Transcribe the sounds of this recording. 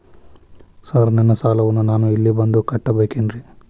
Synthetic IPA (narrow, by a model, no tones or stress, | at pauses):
sɐɾnɛnːɐsaːlɐʋɐnːunaːnuilːibɐnd̪ukɐʈːɐbeːkeːnɾi